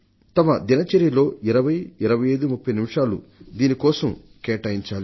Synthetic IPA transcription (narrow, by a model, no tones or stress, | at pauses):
t̪ɐmɐd̪inɐt͡ʃeɾjɐlo̞ːiɾɐʋɐjiɾɐʋɐjɐjd̪umupʰːɐjnimiʂaːlṵd̪iːnikɔːsɐm | kɛːʈɐjiɲt͡ʃaːli